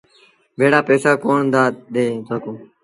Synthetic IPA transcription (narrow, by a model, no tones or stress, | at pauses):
ʋeːɽaːpeːsaːkoːɳd̪aːɗ̪eːt̪oːkõː